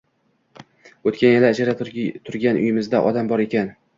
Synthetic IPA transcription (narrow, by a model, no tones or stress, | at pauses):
ot̪kʲʰanjɪlɪːd͡ʒaɾat̪ʰʊɾɡʲanʔʊ̰jɪmɪzd̪aʔɒ̰d̪ambɒɾe̞kʲan